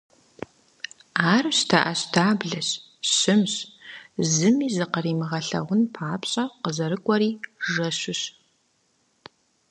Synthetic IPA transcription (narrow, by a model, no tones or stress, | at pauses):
aːrɕtʰaʔɐɕtʰaːbɮɐɕ | ɕɪmɕ | zɨmiːzɨqəriːmɨʁɐɬɐ̰ʁʷʊnpʰaːpɕʼɐqəzɐɾɨkʷʼɔɾiːʒɐɕʊɕ